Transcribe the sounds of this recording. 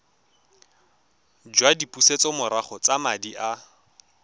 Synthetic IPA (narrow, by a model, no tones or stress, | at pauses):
d͡ʒwadipʼuset͡sɔmʊɾaχɔt͡samadiʔa